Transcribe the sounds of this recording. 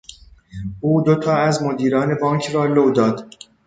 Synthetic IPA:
uːd̪ot̪ʰɒːæzmod̪iːɾɒːne̞bɒːŋkʰrɒːlowd̪ɒːd̪̥

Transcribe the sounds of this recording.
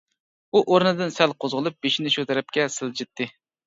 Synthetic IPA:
uʔoɾnɨd̪ɨnsælqʰozʁəlˠɨp̚b̥eʃinɪʃut̪ʰɛɾɛp̚kʲɛsɨlˠd͡ʒɪt̪ʰːɨ

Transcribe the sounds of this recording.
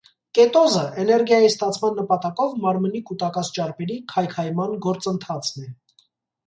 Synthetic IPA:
kɛt̪ɔzəʔɛnɛɾɡjɑjist̪ɑt͡sʰmɑnːəpɑt̪ɑkɔvmɑɾmənikut̪ɑkɑt͡sʰt͡ʃɑɾpɛɾikʰɑjkʰɑjmɑnɡɔɾt͡sənt̪ʰɑt͡sʰnɛ

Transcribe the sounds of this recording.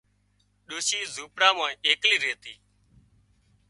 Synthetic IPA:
ɗoːʃiːzuːpɽaːmãːĩeːkliːɾeːt̪iː

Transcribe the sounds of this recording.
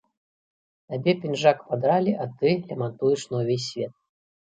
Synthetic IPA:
t̪abʲɛpʲinʐakpad̪ɾalʲiʔat̪ɨlʲɐmant̪ujɛʂnɔwvʲes̬ʲːvʲɛt̪̚

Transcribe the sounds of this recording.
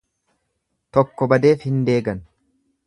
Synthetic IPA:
t̪ɔkːɔbɐd̪e̞ːfhɪnd̪e̞ːɡɐn

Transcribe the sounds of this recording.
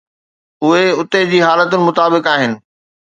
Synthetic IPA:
ʊɦeʊt̪ed͡ʑiːɦaːlət̪ʊnɪ̆mʊt̪aːbɪkaːɦɪnɪ̆

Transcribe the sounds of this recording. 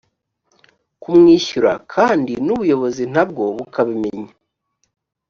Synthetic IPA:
kumŋiːçuɾa̰kʰaːndinuβujo̞βo̞zin̥ab̚ɡo̞βukʰaβime̞ɲa

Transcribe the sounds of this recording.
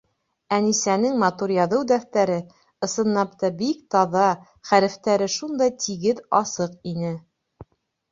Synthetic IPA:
ænisænɘŋmɑt̪uɾjɑðɤwd̪æθt̪æɾɘ | ɤ̆sɤ̆nːɑpt̪ɑbikt̪ɑðɑ | χæɾɘ̆ft̪æɾɘʃund̪ɑjt̪ʰiɡɘðɑsɤqinɘ

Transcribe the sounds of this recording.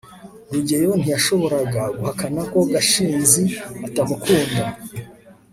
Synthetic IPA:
ɡuɟejon̥ijaʃo̞βo̞ɾaɡaɡuhakanako̞ɡaʃiːnziatamukʰuːnda

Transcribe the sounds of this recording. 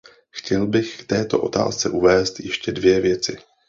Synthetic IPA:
xcɛlbɪxft̪ɛːt̪o̞̰ʔo̞̰t̪a̰ːst͡sɛ̰ʔuvɛːst̪jɛʃcɛdvjɛvjɛt͡sɪ

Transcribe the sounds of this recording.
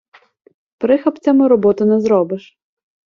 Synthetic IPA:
pɾɪxɐpt͡sʲɐmɪɾɔbɔt̪ʊnɛzɾɔbɪʃ

